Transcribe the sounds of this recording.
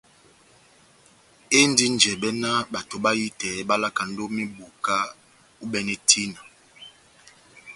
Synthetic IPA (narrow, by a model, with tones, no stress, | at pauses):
e˦n˦di˦n˨d͡ʒɛ˨ɓɛ˦na˦ba˨to˨ɓa˦ji˦tɛ˨˦ɓa˦la˦ka˨n̩˦do˦mi˦bu˨ka˦ | u˦ɓɛ˨nɛ˦tʰi˦na˨